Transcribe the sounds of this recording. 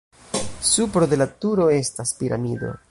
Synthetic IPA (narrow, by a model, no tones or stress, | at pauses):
supɾo̞de̞latuɾo̞e̞staspiɾa̰mido̞̰